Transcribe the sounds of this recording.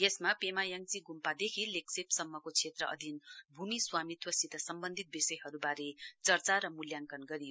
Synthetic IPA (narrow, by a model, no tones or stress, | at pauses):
jesmapemajʌŋt͡siɡumpad̪ekʰileksepsʌmːʌkot͡sʰet̪rʌʔʌ̰d̪ʱinbʱumiswamit̪wʌsit̪asʌmbʌnd̪ʱit̪̚bisʌjɦʌɾubaɾet͡sʌrt͡saɾʌmuljaŋkʌnɡʌɾijo